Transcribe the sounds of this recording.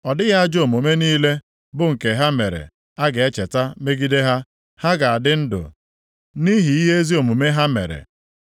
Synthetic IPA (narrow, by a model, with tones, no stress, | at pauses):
ɔ˨dɪ˦ɣa˦a˦d͡ʒo˨mu˨me˦niː˦le˦ | bʊ˨ŋ̩˨ke˨ɦa˦me˨ɾḛ˨ | a˦ɡe˦t͡ʃe˨ta˦me˦ɡi˦de˦ɦa˦ | ha˦ɡa˨a˨dɪ˦n̩˦dʊ̰˨ | ni˦ɦi˨i˦ɦe˦zi˦o˨mu˨me˦ɦa˦mḛ˨ɾḛ˨